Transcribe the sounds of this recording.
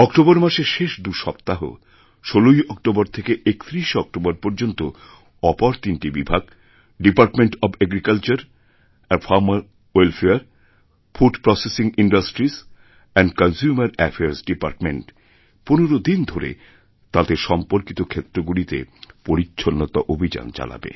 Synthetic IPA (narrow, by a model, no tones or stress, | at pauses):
ɔkʈoboɾmaʃeɾʃeʃd̪uʃɔpt̪aɦo̰ | ʃolojɔk̚ʈoboɾt̪ʰekeʔekt̪ɾiʃɔk̚ʈobaɾpoɾd͡ʑont̪o | ɔpaɾt̪inʈibibʱaɡ | ɖipaɾʈmeɳʈɔbɛɡɾikalt͡ɕaɾ | ɛfʰaɾmaɾ | welfʰeaɾ | fʰuɖpɾɔsesiŋiɳɖasʈɾis | ɛnɖkɔnsumaɾɛfʰeaɾsɖipaɾʈmeɳʈ | poneɾod̪ind̪ʱoɾḛ | t̪ad̪eɾʃɔmpoɾkit̪okʰet̪ːɾoɡulit̪ḛpoɾitːɕʰonːot̪a̰ʔobʱid͡ʑa̰nt͡ɕa̰la̰bḛ